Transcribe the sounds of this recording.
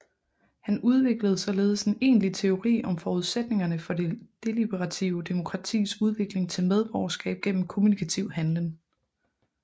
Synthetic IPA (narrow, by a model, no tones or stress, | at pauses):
hænuð̞ˠʋe̝ɡ̥ləð̞̩ˠsɒ̽le̝ːð̞̩ˠəsene̝̰ːnlit͡sʰe̝o̝ʁḭːʔɒ̽mfɒːuð̞ˠsed̥ne̝ŋɐnəfɒ̽d̥ed̥e̝lib̥eʁɑ̈t͡sʰiʊd̥e̝mo̝kʰʁɑ̈t͡sʰḭːsuð̞ˠʋe̝ɡ̥le̝ŋt͡sʰe̝lmeð̞ˠb̥ʁɒʊɐsɡ̥ɛ̰ːb̥̚ɡ̥en̰m̩kʰo̝munikʰæt͡sʰiʊhænləŋ